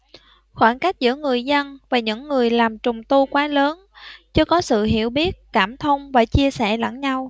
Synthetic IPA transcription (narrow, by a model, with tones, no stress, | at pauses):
xwaː˧˩nka˦˥jk̟̚zɨ̰˧˥əŋɨ˨˩əjzə˧nvaː˨˩ɲɨ̰˧˥ŋːɨ˨˩əjlaː˨˩mt͡ɕʊ˨˩ŋ͡mt̪u˧kwaː˨˦ləː˨˦nt͡ɕɨ˧˥əkɔ˨˦sɨ̰˧˨ɦi˧˩əwɓi˦˥ət̚kaː˧˩mt̪ʰə˧wŋ͡mvaː˨˩t͡ɕi˧əsɛ̰˧˩lə̰˧˥ŋɲa˧w